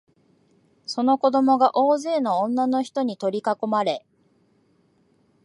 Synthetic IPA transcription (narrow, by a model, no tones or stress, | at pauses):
so̞no̞ko̞d̪o̞mo̞ɡaʔoːze̞ːnoõnːano̞çi̥t̪o̞ɲ̟it̪o̞ɾʲikako̞maɾe̞